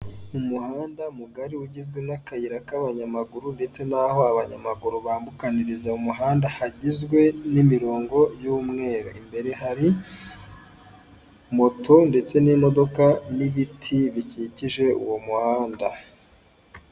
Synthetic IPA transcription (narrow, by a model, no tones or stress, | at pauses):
umuhaːndamuɡaɾiuɟizɡwe̞nakajiɾakaβaɲamaɡuɾunde̞t͡se̞naho̞aβaɲamaɡuɾuβaːmbukaniɾizaumuɦaːndahaɟizɡwe̞nimiɾo̞ːŋɡo̞juːmŋe̞ːɾa̰imbe̞ɾe̞ɦaɾi | mo̞tʰo̞nde̞t͡se̞nimo̞do̞kaniβitʰiβiciciʒe̞ṵwo̞muhaːnda